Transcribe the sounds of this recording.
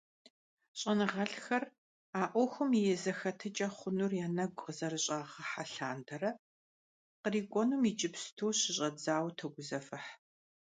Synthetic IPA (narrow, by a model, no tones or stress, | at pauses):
ɕʼɐnɨʁɐɬxɐr | aːʔʷɔxʷʊmijɛzɐxɐtʰɐt͡ʃʼɐχʷʊnurjaːnɐɡʷʼqəzɐrɨɕʼaːʁɐħaɬaːndʰɐɾɐ | qəriːɡʷʼɔnumit͡ʃʼɪpstʰoːɕɪɕʼɐd͡zaːwtʰɐɡʷʊzɐfɨħ